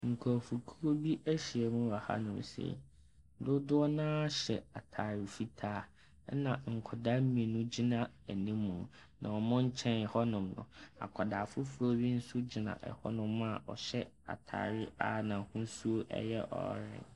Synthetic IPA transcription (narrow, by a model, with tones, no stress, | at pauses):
ŋ̩˨kʰɔ˨fu˨kʰu˦ɾo˦bi˦ʔæ˦ɕi˨ɛ˨mũ˦wa˨ha̰˦nʊ̃˨m˨sḛ˨˦ | dʊ˦dʊ˦ɔ˦nãː˦ɕɛ̰˨a˨tʰaː˨ɾɪ˨fi˦tʰaː˦ | nã˨ŋ̩˨kʰɔ˨da˦mĩ˨nũ˦d͡ʑi˦nã˦˨æ˨nĩ˦mːũ˨ | nã̰˨ɔ˨mʊ̃˦ɲ̩˦t͡ɕʰɛ̃˦n˨hɔ˦nʊ̃˨mnʊ̰̃˨a̰˨kʰɔ˨da˨fʊ˦fu˦ɾo˦bi˦n̩˦sʊ˦d͡ʑi˨nã̰˨ʔɛ̰˨hɔ̰˦nʊ̃˦m˦a˨ʔɔ̰˨ɕɛ˦ | a̰˨tʰa̰ː˨ɾɪ˦a˦˨nã˨hũ˦n˦su˦o˦ʔɛ̰˦jɛ˦ʔɔ̰˨˦ɾɪ̰̃˨n